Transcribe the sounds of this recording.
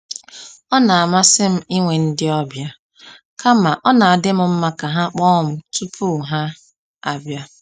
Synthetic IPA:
ɔ˦na˨a˨ma˦sɪ˦m̩˦i˦ŋʷe˨n̩˦dɪ˦ɔ˦bja˦ | ka˦ma˨ʔɔ˦na˨a˨dɪ˦mʊ˦m̩˦ma˦ka˨ɦa˦k͡pɔ˦ʊ˦˨m̩˦tu˦pʰu˦˨ɦa˦ | a˨bja˦

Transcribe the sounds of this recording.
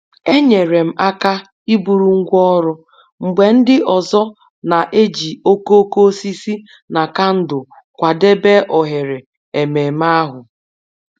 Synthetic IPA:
e˦ɲe˨ɾe˨m̩˨ʔa˦ka˦ | i˦bu˨ɾu˨ŋ̩˦ɡʷɔ˦ɾʊ˦ | ŋ͡m̩˨ɡ͡be˨n̩˦dɪ˦ʔɔ˨zɔ˦ | na˨ʔe˦d͡ʒi˨o˦ko˦ko˦si˦si˦ | na˨ka˦n̩˦dʊ˨ | kʷa˨de˦be˦ʔɔ˨ɦe˨ɾe˨ | e˨me˨m̩˦a˦ɦʊ˨

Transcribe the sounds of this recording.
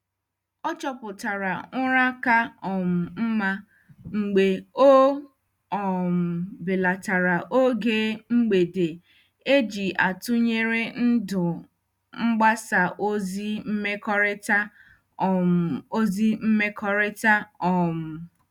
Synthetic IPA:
ɔ˦t͡ʃɔ˦pʊ˨ta˨ɾa˨ŋʊ˦ɾa˦ka˦ɔ˨m̩˨m̩˦ma˦ | ŋ͡m̩˨ɡ͡be˨o˦ | ɔ˨m̩˨bɪ˨la˨ta˨ɾa˨ʔo˦ɡeː˦ŋ͡m̩˦ɡ͡be˨de˨ | e˦d͡ʒi˨ʔa˨tʊ˦ɲe˦ɾe˦n̩˦dʊ˨ | ŋ͡m̩˦ɡ͡ba˦sa˨ʔo˦zi˦m̩˦me˦kɔ˦ɾɪ˦ta˦˨ | o˦zi˦m̩˦me˦kʰɔ˦ɾɪ˦ta˦ɔ˨m̩˨

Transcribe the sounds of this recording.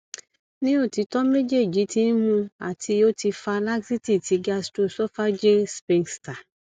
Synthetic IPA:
nĩ˦o˦˨ti˨˧˦tɔ˦me˦d͡ʒe˦˨d͡ʒi˨˦ti˨˦n˦mũ˧a̰˨tʰi˧o˦ti˧fa˧la˦ɡsi˦ti˦˨ti˨˧ɡa˧sto˦˨sɔ˦fa˦d͡ʒe˦spĩ˧nsta˨

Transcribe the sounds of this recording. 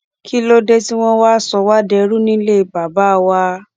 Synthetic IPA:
kʰi˦lo˦de˦ti˦w̃ɔ̃˦waː˦sɔ˧wa˦dɛ˧˦ɾu˦nĩ˦le˦i˨ba˨ba˨˦˨wa˧

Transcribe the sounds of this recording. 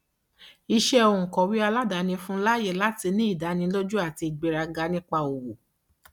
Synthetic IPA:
i˧ʃɛ˦o˧˨ũ˨kɔ̃˨wi˦a˧la˦da˨˦nĩ˧fũ˦la˦je˦˨la˨˦ti˧nĩ˦i˦˨da˨˦nĩ˧˦lo˦d͡ʒu˦a˦˨ti˧i˨ɡ͡be˧ɾa˧ɡa˧nĩ˦k͡pa˧o˨wo˨

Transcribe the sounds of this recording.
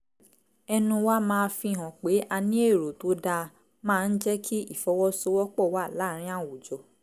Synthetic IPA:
ɛ˧nũ˧wa˦mãː˦˧fĩ˧˨ɦɔ̃˨k͡pe˨˦ʔa˧nĩ˦e˦˨ɾo˨to˨˦da˧ | mãː˦˧n̩˦d͡ʒɛ˦kʰi˦i˦˨fɔ˧wɔ˦so˧wɔ˦k͡pɔ˦˨wa˦˨la˨˦˨ɾ̃ĩ˦a˦˨wu˨d͡ʒɔ˨

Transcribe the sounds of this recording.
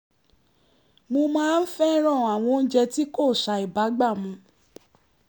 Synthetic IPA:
mo˧mãː˦˧n̩˦fɛ˦ɾ̃ã˦˨a˨w̃ɔ̃˧n̩˦d͡ʒɛ˧ti˦ko˦˨ʃa˧i˨ba˨˦ɡ͡ba˦˨mũ˧˦

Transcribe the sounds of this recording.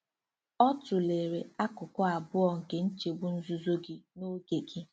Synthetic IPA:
ɔ˦tʊ˨le˨ɾe˨a˦kʊ˨kʷɔ˦a˨bʊ˦ɔ˨ŋ̩˨ke˨n̩˦t͡ʃe˨bʊ˦n̩˦zu˦zo˦ɡɪ˦no˦ɡe˨ɡi˦

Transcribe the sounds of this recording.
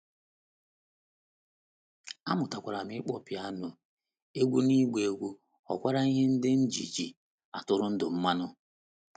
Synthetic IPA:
a̰˦mʊ˨ta˨kʷa˨ɾa˨mɪ˦k͡pɔ˦pja˦nʊ˨ | e˦ɡʷu˦ni˦ɡʷe˨e˨ɡʷu˦ | ɔ̰˨kʷa˦ɾa˦i˦ɦe˦n̩˦dɪ˦n̩˦d͡ʒḭ˨d͡ʒi˨ | a̰˨tʊ˨ɾʊ˦n̩˦dʊ˨m̩˦ma˦nʊ˦

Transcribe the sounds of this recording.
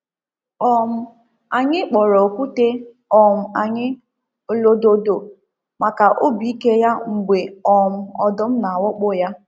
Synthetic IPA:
ɔ˦m̩˦ | a˨ɲɪ˦k͡pɔ˨ɾɔ˨o˨kʷu˦te˦ | ɔ˨m̩˨a˨ɲɪ˦˨ | lo˦do˨do˨ | ma˨ka˨ʔo˦bi˨˦i˦ke˦ja˦ŋ͡m̩˨ɡ͡bʷe˨ɔ˨m̩˦ɔ˨dʊ˦m̩˦na˨wʊ˦k͡pʊ˦˨ja˦

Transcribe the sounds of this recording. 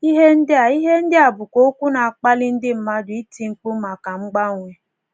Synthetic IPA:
i˦ɦe˦n̩˦dɪ˦a˨i˦ɦe˦n̩˦dɪ˦a˨bʊ˨ko˦o˦kʷu˦na˨a˨k͡pa˦lɪ˦n̩˦dɪ˦m̩˦ma˦dʊ˨i˦tʰi˨ŋ̩˨k͡pu˦ma˨ka˨ŋ͡m̩˦ɡ͡ba˦˨ŋʷe˦

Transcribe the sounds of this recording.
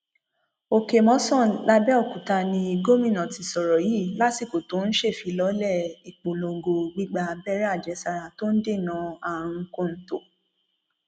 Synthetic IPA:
o˧ke˧mɔ̃˨˦sɔ̃˦˨la˧bɛ˦ɔ˦˨ku˨ta˧nĩ˧i˧ɡo˦mĩ˦˨nɔ̃˨ti˧sɔ˨ɾɔ˨ji˦˨la˦si˦˨ko˨to˨˦n̩˦ʃe˦˨fi˨˧˦lɔ˨˦lɛ˦˨i˨k͡po˨lo˧ɡo˧ɡ͡bi˦ɡ͡ba˧bɛ˦ɾa˦˨d͡ʒɛ˨˦sa˧ɾa˨to˦n̩˦de˦˨nã˧˦a˦˨ɾ̃ũ˧ko˦˨n̩˦to˨

